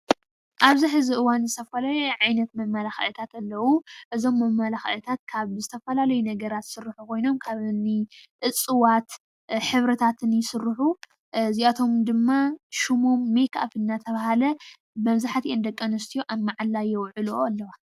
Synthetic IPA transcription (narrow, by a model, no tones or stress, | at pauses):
ʔaβziħɨziʔɨwanzɨt̪ʰɐfɐlajuʕajnɐt̪mɐmmːalaxɐ̰ʔɨt̪ʰat̪ɐlːɐwuʔɨzo̞mːɐmːalaxʔɨt̪ʰat̪̚kʰaβzɨt̪ʰɐfɐlalɐjunɐɡɐɾat̪sɨɾɨħukʰo̞jno̞mkʰaβɨnːiʔɨt͡sʼːɨwat̪ | ħɨβɾɐt̪ʰat̪ʰɨnjɪsɨɾːɨħu | ziʔat̪ʰo̞md̪ɨmːaʃumo̞mːeka̰fɨnːat̪ʰɐβahalɐ | bɐmzaħat̪ʰiʔend̪ɐkʼːɐnɐst̪ʰijoʔamːaʕalːajɛwʕɨloalːɐwa